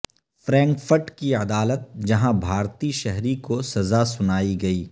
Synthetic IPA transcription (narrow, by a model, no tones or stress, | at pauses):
fɾɛ̃ːŋkfəɾʈkiɐd̪aːlət̪̚d͡ʒɐɦãbʱaːɾt̪iʃɛɦɾikosɐzasʊnaːiɡɐiː